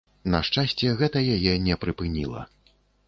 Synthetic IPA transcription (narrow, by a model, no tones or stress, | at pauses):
nɐʂt͡ʂasʲt͡sʲɛɣɛt̪ɐjajɛnʲɛpɾɨpɨnʲḭlˠɐ̰